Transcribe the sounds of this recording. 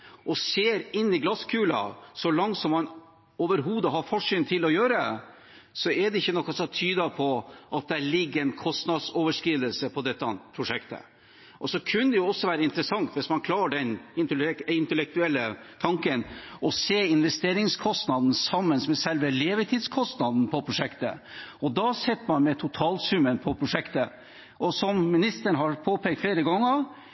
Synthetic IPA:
ʔɔseːɾɪnːɪɡlɑskʰʉːlɑ̰sɔlɑŋt̪sɔmːɑn | oːʋəɾɦuːd̪əɦɑɾfɔʂyːnt̪ʰɪlːɔjøːɾə | sɔɛɖ̪ɛɪçːənɔkːɑsɔt̪ʰyːd̪ɑpʰɔʔɑt̪̚d̪æɭɪɡːəɛnkʰɔst̪nɑd̪soːʋəʂkɾiːd̪əlsəpʰɔd̪ɛt̪ːɑpʰɾʊʂɛkt̪ə̰ | ʔɔsɔkʰʉnd̪əjʊɔsːɔʋæːɾəɪnt̪əɾəsɑŋt̪ʋɪsmɑnkʰlɑːɖɛnɪɪnt̪əlɛk̚t̪ʉɛlːət̪ʰɑŋkənɔseːɪnʋɛst̪eːɾɪŋskʰɔst̪nɑd̪n̩sɑmːənsmɛsɛlʋəleːʋət̪ʰiːd̪skʰɔst̪nɑd̪n̩pʰɔpʰɾʊʂɛkt̪ə̰ɔd̪ɑsɛt̪ːmɑnmɛt̪ʰʊt̪ʰɑːlsʉmənpʰɔpʰɾʊʂɛkt̪ə | ʔɔsɔmːɪnɪst̪əɳɦɑɾpʰoːpɛːk̚t̪fleːɾəɡɔŋːəɾ

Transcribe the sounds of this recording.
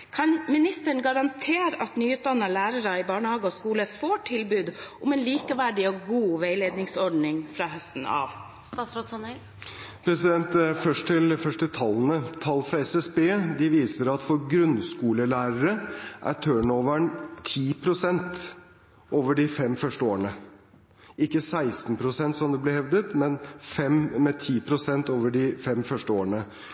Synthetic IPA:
kʰɑnmɪnɪst̪əɳ̩ɡɑɾɑnt̪ʰeːɾəʔɑt̪nyːʉːt̪̚d̪ɑnːɑlæːɾəɾəɪbɑːɳəhɑːɡəɔskuːləfoːʈʰɪlbʉːd̪ʔʊmɛːnliːkəʋæɖɪoɡuːʋeɪleːd̪nɪŋsɔɖnɪŋfɾɑːhœst̪n̩ɑ̰ːʋ | pʰɾɛsɪd̪ɛnt̪fœʂʈʈʰɪlfœʂʈət̪ʰɑln̩ət̪ʰɑlːfɾɑɛsɛsbeːd̪ɪʋiːsəɾɑt̪fɔɾɡɾʉnskuːləlæːɾəɾəʔæ̰t̪ʰøːɳoːʋəɳt̪ʰiːpʰɾʊsɛnt̪ | oːʋəɖɪfɛmfœʂʈəoːɾɳə | ɪkːəsæɪst̪n̩pʰɾʊsɛnt̪sɔmd̪ɛblɪhɛʋd̪ət̪mɛnfɛmmɛt̪ʰiːpʰɾʊsɛnt̪oːʋəɖɪfɛmfœʂʈəoːəɳə

